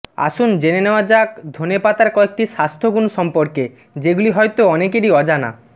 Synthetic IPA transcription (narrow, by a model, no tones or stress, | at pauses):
a̰ʃund͡ʑeneneoad͡ʑakd̪ʱonepat̪aɾkɔek̚ʈiʃast̪ʰoɡunʃɔmpoɾke | d͡ʑeɡuliɦɔjt̪oɔnekeɾiɔd͡ʑana̰